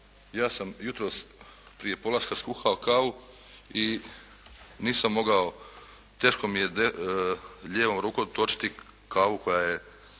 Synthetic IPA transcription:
jaːsamjut̪ɾo̞ːs | pɾije̞po̞laskaskuːxaokaːʋu | i | niːsamːo̞ɡao | t̪e̞ːʃko̞mijed̪e | ʎe̞ːʋomɾuːkot̪o̞t͡ʃi̥t̪i | kaːʋuko̞jaːje

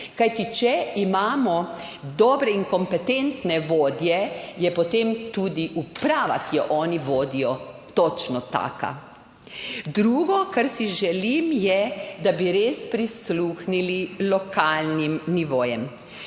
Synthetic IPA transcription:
kajt̪it͡ʃɛimaːmɔ | d̪ɔːbɾɛiŋkɔmpɛt̪ɛnt̪nɛʋoːd̪jɛjɛpɔt̪emt̪uːd̪iʔupɾaːʋa̰kijɔʔɔːniʋoːd̪ijɔt̪ɔt͡ʃnɔt̪a̰ːka̰ | d̪ɾuːɡɔkaɾsiʒɛlimjɛd̪abiɾeːspɾisluːxnililɔkaːlnimniʋoːjɛm

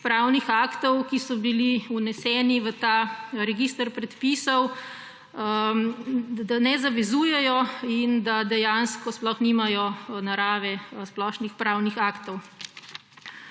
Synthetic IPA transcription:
pɾaːwnixaːkt̪ɔwkisɔbiliunɛsɛːniʋət̪aːɾɛɡiːst̪əɾpɾɛt̪piːsɔw | d̪anɛzaʋɛzuːjɛjɔind̪ad̪ɛjanskɔsplɔxnimajɔnaɾaːʋɛsplɔʃnixpɾaːwnixaːkt̪ɔw

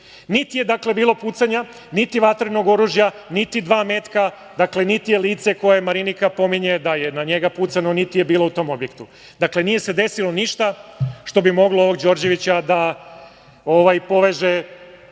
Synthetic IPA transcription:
nit̪ije̞d̪akle̞biːlˠo̞puːt̪saɲa | nit̪iʋat̪ɾino̞ɡo̞ɾuʒja | nit̪id̪ʋaːme̞ːt̪ka | d̪akle̞nit̪ijeliːt̪se̞ko̞jeemaɾinikapo̞miɲe̞d̪aje̞naɲe̞ɡaput̪sano̞nit̪ije̞biːlo̞ut̪o̞mo̞bje̞kt̪u | d̪akle̞nije̞se̞d̪e̞silo̞niʃt̪aʃt̪o̞bimo̞ɡlooʋo̞ɡd͡ʑo̞ɾd͡ʑe̞ʋit͡ɕad̪a | o̞ʋajpo̞ʋe̞ʒe

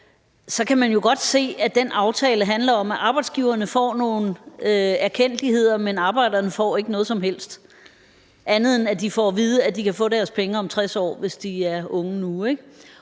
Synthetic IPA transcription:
sɒ̽kʰæmænjo̝ɡ̥ɒ̽d̥se̝̰ːæd̥enɑ̈ʊt͡sʰɛːləɦænlɐɒ̽mæʔɑ̈ːb̥ɑ̈ɪd̥sɡ̥iʊ̰ɐnəfɒ̰ːno̝ːn̩øæɐkʰen̰d̥lihe̝ð̞̰ˠɐmenɑ̈ːb̥ɑ̈ɪ̰d̥ɐnəfɒ̰ːe̝ɡ̥ənɔ̽ːð̩ˠsɒ̽mɦel̰sd̥ | ʔænð̞̩ˠenæd̥ifɒʋiːð̞ˠəæd̥ikʰæfɔ̰̽ːɾ̥æɐspʰeŋəɒ̽mt͡sʰʁasɒ̰ːʋe̝sd̥iæɐɔ̽ŋənueɡ̥

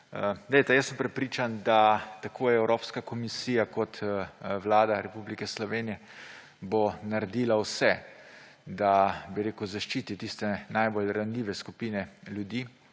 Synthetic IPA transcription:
d̪ɛjt̪ɛjəsːəmpɾɛpɾiːt͡ʃand̪at̪akʰoːjɛwɾoːpskakɔmisiːjakɔt̪wlaːd̪aɾɛpublikɛslɔʋeːnijɛ | bonaɾɛd̪iːlawsɛ | d̪abiɾeːkuzaʃt͡ʃiːt̪it̪ist̪ɛnajboːlɾanlʲiːʋɛskupiːnɛlʲjud̪iː

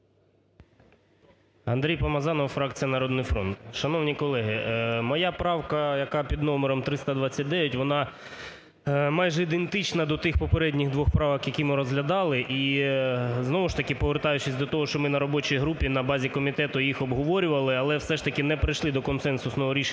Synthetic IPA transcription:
ɐnd̪ɾʲijpɐmɐzɑnɔwfɾɑk̚t͡sʲijɐnɐɾɔd̪nʊjfɾɔnt̪ʃɐnɔwnʲikɔlˠɛɦɪmɔjɑpɾɑwkɐjɐkɑpʲid̪nɔmeɾɔmt̪ɾɪst̪ɐd̪ʋɑt͡sʲːɐt̚ʲd̪ɛʋʲɛtʲʋɔnɑ | mɑjʒɛid̪ent̪ɪt͡ʃnɐd̪ɔt̪ɪxpɔpeɾɛdʲnʲɪɣd̪ʋɔxpɾɑʋɐxjɐkʲimɪɾɔzɦlʲɐd̪ɑlˠɪʔi | znɔʋʊʃt̪ɐkʲɪpɔʋert̪ɑjʊt͡ʃɪsʲd̪ɔt̪ɔɦɔʃt͡ʃɔmɪnɐɾɔbɔt͡ʃijɦɾupʲinɐbɑzʲikɔmʲit̪ɛt̪ʊjixɔbɦɔʋɔɾʲʊʋɐlˠɪɐlˠɛwsɛʃt̪ɐkʲɪnɛpɾɪjʃlˠɪd̪ɔkɔnsɛnsʊsnɔɦɔɾʲiʃ

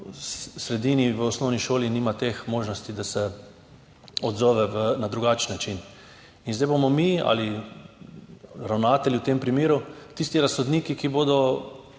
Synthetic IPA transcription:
ssɾɛd̪iːniʋəɔsnɔwniʃoːliniːmat̪exmoːʒnɔst̪id̪asɛ | ɔd̪zɔːʋɛʋənad̪ɾuɡat͡ʃnːat͡ʃin | inzd̪ajbomɔmia̰li | ɾawnaːt̪ɛliwt̪empɾimeːɾut̪ist̪iɾassɔd̪niːkikiboːd̪ɔ

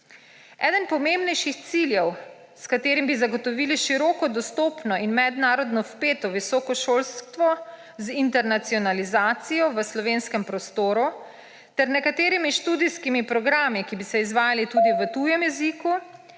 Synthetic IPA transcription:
ɛ̰ːd̪ənpɔmembnɛjʃixt̪siljɛw | skat̪eːɾimbizaɡɔt̪ɔʋiːliʃiɾɔːkɔd̪ɔst̪oːpnɔʔinmɛd̪naːɾɔd̪nɔspeːt̪ɔʋisɔːkɔʃoːlst̪ʋɔ | zint̪ɛɾnat̪siɔnalizaːt̪sijɔʋəslɔʋeːnskɛmpɾɔst̪oːɾu | t̪ɛɾnɛkat̪eːɾimiʃt̪uːd̪iskimipɾɔɡɾaːmikibisɛizʋaːjalit̪uːd̪iʋət̪ujɛmjɛziku

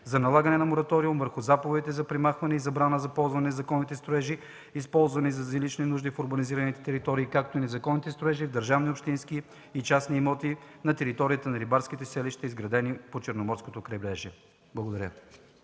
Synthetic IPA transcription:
zɐnɐlˠaɡɐnɛnɐmoɾɐt̪ɔɾiumvəɾxʊzapovɛd̪it̪ɛzɐpɾɛmaxvɐnɛizɐbɾanəzɐpɔlˠzvɐnɛnɐzɐkɔnːit̪ɛst̪ɾoɛʒi | ispɔlˠzvɐnizɐzilit͡ʃninuʒd̪ifoɾbɐniziɾɐnit̪ɛ̥t̪ɛɾit̪ɔɾiːkak̚t̪oinɛzɐkɔnːit̪ɛst̪ɾoɛʒivd̪əɾʒavniopʃt̪inski | it͡ʃasniːmɔt̪inɐt̪ɛɾit̪ɔɾiət̪ɐnɐɾibaɾsk̟it̪ɛsɛliʃt̪ɛizɡɾɐd̪ɛnipot͡ʃɛɾnomɔɾskot̪okɾɐjbɾɛʒɛ | blˠɡod̪ɐɾjə

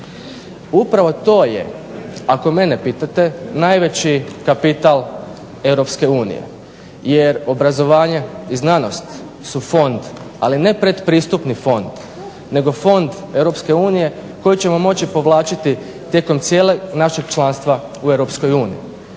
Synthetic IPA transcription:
upɾaʋo̞t̪oːjḛ | ako̞me̞nepit̪at̪e̞najʋe̞t͡ɕikapit̪alˠ | e̞wɾo̞pske̞uːnḭjḛ | jeɾo̞bɾazo̞ʋaːɲeiznano̞st̪ | sufo̞nd̪aline̞pɾe̞d̪pɾiːst̪upnifo̞nd̪̥ | ne̞ɡo̞fo̞nd̪ | e̞wɾo̞pske̞uːnije̞ko̞jit͡ɕe̞mo̞mo̞t͡ɕipo̞ʋlˠaːt͡ʃit̪i | t̪je̞ko̞mt̪sjeːleɡnaʃeɡt͡ʃlˠanst̪ʋa | uewɾo̞psko̞juːnḭjḭ

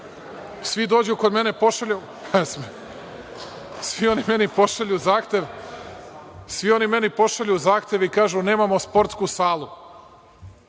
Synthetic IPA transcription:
sʋid̪o̞ːd͡ʑukod̪me̞ne̞po̞ʃaʎu | asme | sʋio̞nime̞nipo̞ʃaʎuzaːxt̪ʲjeʋ | sʋio̞nime̞nipo̞ʃaʎuzaːxt̪ʲe̞ʋikaːʒune̞ːmamospo̞ɾt̪skusaːlˠu

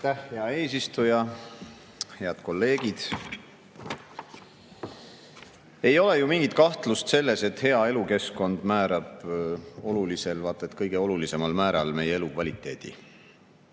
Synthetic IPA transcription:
t̪æhheɑe̞ːsist̪ujɑ | he̞ɑd̪̥ko̞lːe̞ːɡ̥id̪̥ | e̞jo̞lejumiŋɡ̥it̪̚kɑht̪lust̪se̞lːe̞se̞t̪he̞ɑe̞luke̞sko̞nd̪mæːɾɑb̥ | o̞lulise̞lvɑt̪ːˑet̪kɤjɡ̥e̞o̞lulise̞mɑlmæːɾɑ̰lme̞jeelukvɑlʲit̪ːˑe̞ːd̪̥ḭ

